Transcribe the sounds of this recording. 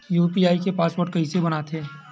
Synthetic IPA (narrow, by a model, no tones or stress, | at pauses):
juːpiaːikepaːspoːɾʈ̚kɐɦĩsebɐnat̪ʰeː